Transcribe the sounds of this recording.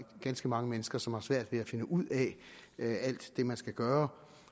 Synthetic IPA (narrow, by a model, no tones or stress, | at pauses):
ɡ̥ænsɡ̥əmɑ̈ŋəmenəsɡ̥ɐsɒ̽mhɑ̈sʋæɐ̰d̥ʋe̝æfe̝nəʔuð̰ˠɛ | æl̰d̥ːe̝mænsɡ̥æɡ̥ɶːɐ